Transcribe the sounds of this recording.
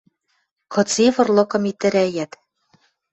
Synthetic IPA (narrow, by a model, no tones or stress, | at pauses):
kɤ̆t͡seβɤ̆rlɤ̆kɤ̆mit̪ːɘ̆ɾæjæt̪